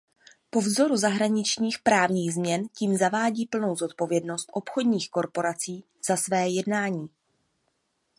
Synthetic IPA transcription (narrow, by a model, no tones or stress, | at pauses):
po̞vzo̞ɾuzaɦɾaɲɪt͡ʃɲiːxpɾaːvɲiːɣzmɲɛnciːmzavaːɟiːpl̩no̞wzo̞t̪̚po̞vjɛdno̞st̪ʔo̞pxo̞dɲiːxko̞ɾpo̞ɾat͡siː | z̥asvɛːjɛdnaːɲiː